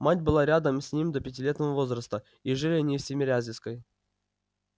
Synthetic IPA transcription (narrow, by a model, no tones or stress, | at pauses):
matʲbɨlˠaɾʲad̪əmsʲnʲimd̪əpʲɪtʲilʲe̞t̪nəvəvo̞zɾəst̪ə | iʐɨlʲɪɐnʲifsʲemʲɪɾʲazʲɪskəj